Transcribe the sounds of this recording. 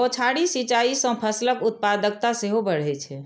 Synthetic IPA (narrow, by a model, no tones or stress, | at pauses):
ot͡ʃʰaɽisit͡ʃaisə̃pʰəsləkut̪̚pad̪ək̚t̪aseɦobəɽ̤ɛt͡ʃʰɛ